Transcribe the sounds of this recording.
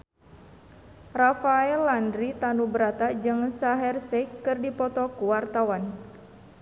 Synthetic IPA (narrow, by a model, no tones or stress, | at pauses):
rafaɛlandɾit̪anubəɾat̪ad͡ʒɨŋsaɦɛrsɛkːɨrdipɔt̪ɔkuwart̪awan